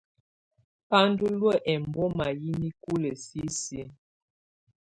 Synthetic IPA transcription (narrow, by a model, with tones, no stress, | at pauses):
pa˦n˦du˦lwə˦ʔɛ˨m˨bɔ˦ma˨ji˦ni˦ku˦lə˨si˦si˦